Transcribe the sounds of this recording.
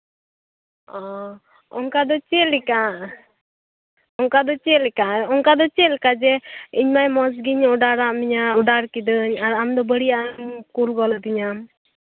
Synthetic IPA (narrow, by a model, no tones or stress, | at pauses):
ɔ | ɔ̰ŋkad̪ɔt͡ʃelika | ɔŋkad̪ɔt͡ʃelɛkaɔŋkad̪ɔt͡ʃelkad͡ʒɛiɲmajmɔs̬ɡiɲɔɖaɽaʔmiɲaɔɖaɾkid̪əɲaɾamd̪ɔbəɽijankulɡɔlɔd̪iɲam